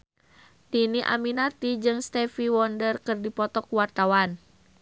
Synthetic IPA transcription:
t̪iniʔa̰minat̪id͡ʒɨŋst̪ɛfiwɔndərkɨrdipɔt̪ɔkuwart̪awan

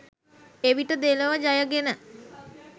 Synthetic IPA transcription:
eʋiʈəd̪eləʋəd͡ʒajəɡenə

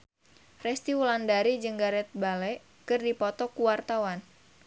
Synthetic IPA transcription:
rɛst̪iwulandaɾid͡ʒəŋɡaɾɛt̪̚balɛʔ | kɨrdipɔt̪ɔkuwart̪awan

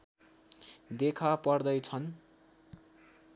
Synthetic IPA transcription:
d̪ekʰapʌrd̪ʌjt͡sʰʌn

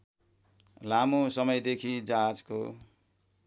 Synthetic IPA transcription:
lamosʌmʌjd̪ekʰid͡zad͡zko̰

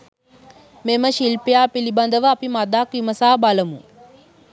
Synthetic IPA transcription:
meməʃilpejaːpiliband̪əʋəapimad̪akʋiməsaːbaləmṵ

